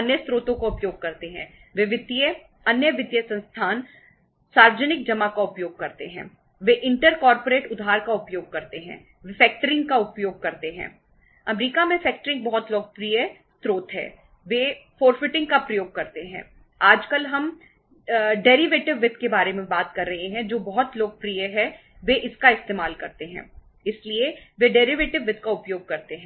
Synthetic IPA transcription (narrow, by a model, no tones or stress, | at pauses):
ɐnjəst̪ɾoːt̪õkaʊpjoːɡ̚kɐɾt̪eɦɛ̰̃ːʋeʋɪt̪ | ɐnjəʋɪt̪jəsɐ̃nst̪ʰaːn | saːɾʋəd͡ʒənɪk̚d͡ʒɐmakaʊpjoːɡ̚kɐɾt̪eɦɛ̰̃ː | ʋeʔɪ̃ɳʈəɾkɔːɾpoɾeːʈʊd̪ʱɦaːɾkaʊpjoːɡ̚kɐɾt̪eɦɛ̰̃ː | ʋɪfɛːk̚ʈəɾɪ̃ŋɡkaʊpjoːɡ̚kɐɾt̪eɦɛ̰̃ː | ɐmɾiːkamẽfɛːk̚ʈəɾɪ̃ŋɡ̚bɔɦɔt̪lɔːɡ̚pɾijə | t̪ɾoːt̪ɦɛ̰ː | ʋefoːɾfɪʈɪ̃ŋɡkapɾɐjoːɡ̚kɐɾt̪eɦɛ̰̃ː | aːd͡ʒkɐlɦɐm | ɖɛːɾiʋeːʈɪʋːɪt̪ʰkebaːɾemẽbaːt̪kɐɾːɐɦeɦɛ̃d͡ʒoːbɔɦɔt̪loːɡ̚pɾijəɦɛ | ʋeʔɪskaɪst̪eːmaːlkɐɾt̪eɦɛ̰̃ː | ɪslieʋeɖɛːɾiʋeːʈɪʋʋɪt̪̚ʰkaʊpjoːɡ̚kɐɾt̪eɦɛ̃